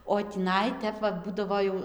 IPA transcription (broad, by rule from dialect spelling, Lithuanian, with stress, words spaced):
oː tʲiːˈnɐɪ ˈtʲɛp ʋɐ ˈbuːdɐʋoː jɛʊ